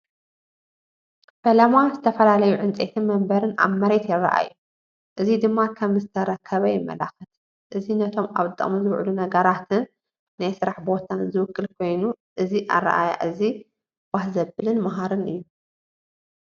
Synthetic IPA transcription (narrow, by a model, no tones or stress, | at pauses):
fɐlɐmazɨt̪ʰɐfɐlalɐjuʕɨnt͡sʼet̪ʰimɐmbɐɾɨna̰βmɐɾe̞t̪jɪrːɐ̰ʔa̰ju | ʔɨzid̪ɨmːakʰɐmzɨt̪ʰɐɾɐkʰːɐβɐjɪmːɐ̰la̰xɨt̪ | ʔɨzinɐt̪ʰo̞ma̰βt̪ʼːɐ̰muzɨβʕlunɐɡɐɾat̪ʰɨnː | ajsɨɾaħbo̞t̪ʰanzɨwɨkːɨlkʰo̞jnuʔɨziʔa̰rːɐ̰ʔaja̰ʔɨzi | w̥ahzɐbɨlɨnmɐɦaɾɨnɨjːu